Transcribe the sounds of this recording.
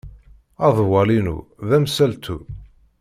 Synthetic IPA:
ɑðˤwɑlinṵðæmsælt̪ʰu

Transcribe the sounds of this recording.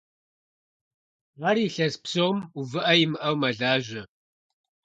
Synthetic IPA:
ʁɐɾiːɬɐspsomuvɨʔɐjɪmɨʔɐwmɐɮaːʒɐ

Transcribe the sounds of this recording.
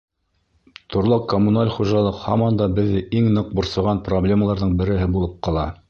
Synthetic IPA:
t̪ʰŏɾlˠɑqkːomunalʲχuʒɑlˠɤqhɑ̰mɑnd̪ɑbɘ̆ðːɘʔiŋnɤq̚bŏɾsɑ̆ʁɑnproblʲeməlˠɑɾðɤɴbɘ̆ɾɘ̆ɦɘbulˠɤp̚qɑlˠɑ

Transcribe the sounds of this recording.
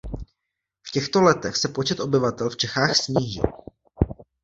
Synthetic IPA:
fcɛxt̪o̞lɛt̪ɛxsɛpo̞t͡ʃɛt̪ʔo̞bɪvat̪ɛlft͡ʃɛxaːxsɲiːʒɪ̰l

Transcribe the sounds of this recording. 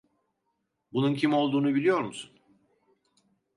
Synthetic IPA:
bununcʰimo̞lˠd̪uːnubilʲijo̞ɾmusun

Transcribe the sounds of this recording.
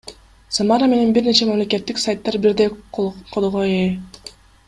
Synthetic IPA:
samaɾame̞ne̞nbiɾne̞t͡ʃemamle̞ke̞t̪ːiksajt̪ːɑɾbiɾd̪eqʰolˠoʁoe

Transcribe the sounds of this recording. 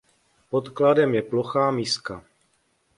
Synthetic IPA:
po̞t̪kladɛmjɛplo̞xaːmiːska

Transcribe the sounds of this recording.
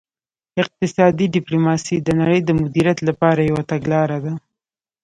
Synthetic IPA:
ɪq̚t̪ɪsɑd̪iɖɪplumɑsid̪ənaɽəjd̪əmʊd̪iɾjat̪lapɑɾajawat̪aɡlɑɾad̪a

